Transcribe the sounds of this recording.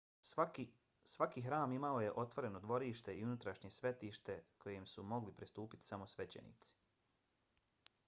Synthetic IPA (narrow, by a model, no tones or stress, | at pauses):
sʋakixɾaːmimaoje̞ʔo̞t̪ʋo̞ɾe̞no̞d̪ʋo̞ɾiːʃt̪e̞iunut̪ɾaʃɲe̞sʋe̞t̪iːʃt̪e̞kʰo̞jemsumo̞ɡlipɾist̪uːpi̥t̪i̥samo̞sʋet͡ɕe̞̰nḭt̪si̥